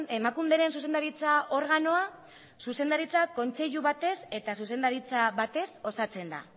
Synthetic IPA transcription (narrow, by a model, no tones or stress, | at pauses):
e̞makumd̪eɾe̞nsuse̞nd̪aɾit͡sao̞ɾɣano̞a | suse̞nd̪aɾit͡sako̞nt͡se̞ʎuβat̪e̞se̞t̪asuse̞nd̪aɾit͡saβat̪e̞so̞sat͡se̞nd̪a̰